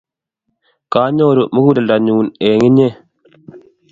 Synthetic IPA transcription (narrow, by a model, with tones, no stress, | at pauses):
kaː˦ɲoː˦˨ɾu˨mu˦ɡu˦da˨lda˨ɲu˨u˨ne˨ŋi˦ɲe˦